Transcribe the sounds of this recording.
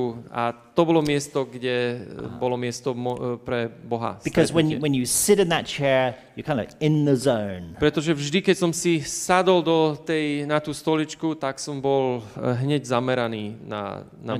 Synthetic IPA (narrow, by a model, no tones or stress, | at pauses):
ua̰t̪ɔbɔlɔmɪɛst̪ɔɡɟɛbɔlɔmɪɛst̪ɔmɔpɾɛbɔɦa̰sb̥ɪkʰɔzwə̃nwə̃njɨsɪɾɨ̃nðət̚t͡ʃʰɛɹjəkʰãɪ̃ndə̰vɪ̃nðəzõʊ̃npɾɛt̪ɔʒɛvʒd̪ikɛcsɔmsisad̪ɔld̪ɔt̪ɛjnat̪uːst̪ɔlit͡ʃkut̪aksɔmbɔlɦɲɛɟzamɛɾaniːna̰na